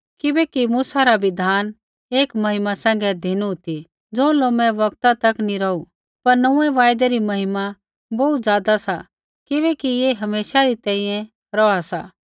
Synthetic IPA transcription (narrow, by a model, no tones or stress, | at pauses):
kɪbɛkimuːsaɾaʋɪd̪ʱaːn | eːkmɐɦɪmasɛ̃ːŋɡɛd̪ʱiːnut̪i | d͡zõːloːmɛ̃ʋɐkt̪at̪ɐkniɾɐu | pɐɾnɐũːɛʋaːjd̪ɛɾimɐɦɪma | bɐut̪d͡zjaːd̪asa | kɪbɛkijeɦɐmeːʃaɾit̪ɛ̃ːĩjɛ̃ | ɾɔasa